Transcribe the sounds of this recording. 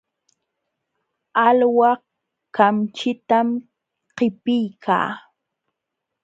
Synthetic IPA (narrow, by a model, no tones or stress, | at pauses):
alwɑ | kamt͡ʃɪt̪am | qɪpɪjkʰa̰ː